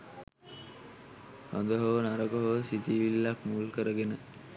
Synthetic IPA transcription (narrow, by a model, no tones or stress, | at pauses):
hond̪əɦoʋnaɾəkoɦoʋsit̪iːʋilːakmuːlkəɾəɡenə